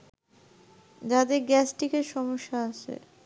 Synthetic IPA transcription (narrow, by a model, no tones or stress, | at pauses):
d͡ʑad̪eɾɡɛsʈikeʃɔmoʃːaaʃʰḛ